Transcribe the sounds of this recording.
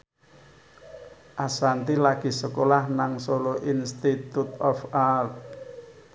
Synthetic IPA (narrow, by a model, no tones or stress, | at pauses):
ʔasant̪ilaɡ̥i̤səkolahnaŋsoloʔinst̪it̪ut̪ɔfalt